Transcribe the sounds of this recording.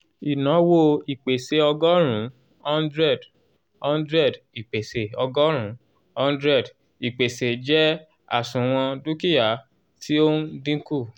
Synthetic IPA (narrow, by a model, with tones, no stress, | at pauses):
i˨nã˨˦wo˧i˨k͡pe˨se˨ɔ˧ɡɔ˦ɾ̃ũ˨˦ | ɔ̃˦ndɾɛ˦˨d | ɔ̃˦ndɾɛ˦˨d | i˨k͡pe˨se˨ɔ˧ɡɔ˦ɾ̃ũ˨˦ | ɔ̃˦n˦dɾɛ˦˨d | i˨k͡pe˨se˨d͡ʒɛ˦ | a̰˦˨sũ˨w̃ɔ̃˧du˦ki˦ja˨˦ | tʰi˦o˦n˦dĩ˦ku˦˨